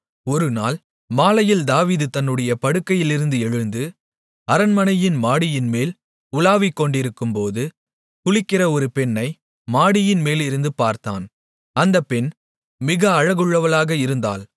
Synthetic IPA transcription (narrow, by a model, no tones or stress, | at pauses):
ɔɾɯnaːl | maːlɐjɪld̪aːʋiːðɯt̪ɐnːɯɽɐjɐpɐɽɯkːɐjɪlɪɾɯnd̪ɯɛɻɯnd̪ɯ | ɐɾɐnmɐnɐjɪnmaːɽɪjɪnmeːl | ʊlaːʋɪkːɔɳɖɪɾɯkːɯmpoːðɯ | kʊɭɪkːɪrɐɔɾɯpɛnːɐɪ | maːɽɪjɪnmeːlɪɾɯnd̪ɯpaːɾt̪a̰ːn | ɐnd̪ɐpːɛn | mɪɣɐːɻɐɣɯɭːɐʋɐlaːɣɐɪɾɯnd̪a̰ːl